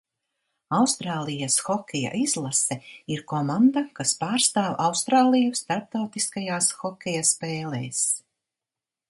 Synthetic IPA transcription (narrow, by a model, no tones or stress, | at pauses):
awst̪ɾaːlˠijasxɔkʰʲɛja̰ʔizlˠasɛiɾkɔmand̪akaspaːɾst̪aːwawst̪ɾaːlˠijust̪aɾp̚t̪awt̪iskajaːsxɔkʲɛjaspɛːlɛ̰ːs